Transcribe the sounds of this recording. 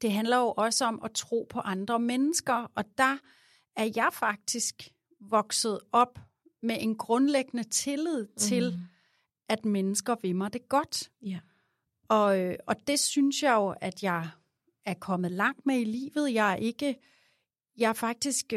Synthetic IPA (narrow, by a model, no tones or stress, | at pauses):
d̥e̝ɦænlɐjo̝ʔɒ̽səɒ̽mʔɒt͡sʰʁo̝̰ːpʰɒ̽ʔɑ̈nd̥ʁɐmenəsɡ̥ɐɒ̽d̥ɑ̈ | æɐjɑ̈ɪfɑ̈ɡ̥̚d̥isɡ̥ | ʋɒ̽ɡ̥sð̞̩ˠɒ̽b̥ | meʔe̝nɡ̥ʁɔ̽nleɡ̥ənət͡sʰe̝lið̰ˠt͡sʰe̝l | ʔæd̥menəsɡ̥ɐʋemɑd̥e̝ɡ̥ɒd̥ | ɒ̽øɒ̽d̥e̝synsjɑ̈ɪjo̝ʔæd̥jɑ̈ɪ | æɐkʰɒ̽mð̞̩ˠlɑ̈ŋ̰d̥meilḭːʋð̞̩ˠjɑ̈ʔe̝ɡ̥ə | jɑ̈æfɑ̈ɡ̥̚d̥isɡ̥